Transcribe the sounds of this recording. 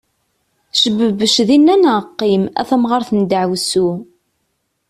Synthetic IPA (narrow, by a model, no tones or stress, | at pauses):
ʃəbːəbəʃðinːænæqːimæ̰θəmʁɑɾθənd̪əʕwsu